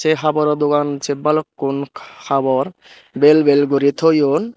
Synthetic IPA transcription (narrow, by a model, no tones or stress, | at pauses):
seɦabɔɾɔd̪okant͡ʃebalɔkːunkʰabɔɾ | belbelɡuɾit̪ʰojon